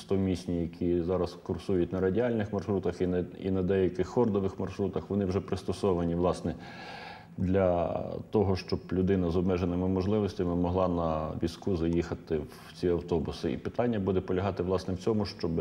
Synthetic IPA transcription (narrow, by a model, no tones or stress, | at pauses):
st̪ɔmʲisʲnʲijɐkʲʰizɑɾɐskʊrsujʊtʲnɐɾɐdʲiɑlʲnɪxmɐrʃɾut̪ɐxinḭnɐd̪ɛjɐkɪxːɔrd̪ɔʋɪxmɐrʃɾut̪ɐxʋɔnɪwʒɛpɾɪst̪ɔsɔʋɐnʲiʋlˠɑsnɛ | d̪lʲɐt̪ɔɦɔʃt͡ʃɔblʲʊd̪ɪnɐzɔbmɛʒenɪmɪmɔʒlˠɪʋɔsʲtʲɐmɪmɔɦlˠɑnɐʋʲiskuzɐjixɐt̪ɪw | t͡sʲiɐwt̪ɔbʊsɪḭpɪt̪ɑnʲːɐbud̪ɛpɔlʲɐɦɑt̪ɪʋlˠɑsnɛwt͡sʲɔmʊʃt͡ʃɔb